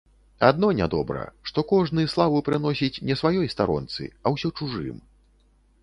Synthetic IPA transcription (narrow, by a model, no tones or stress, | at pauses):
ad̪̚nɔnʲad̪ɔbɾɐ̰ʂt̪ɔkɔʐnɨjslˠavɨpɾɨnɔsʲit͡sʲnʲɛsvajɔjst̪aɾɔ̰nt̪sɨ̰ɐwsʲɔt͡ʂuʐɨ̰m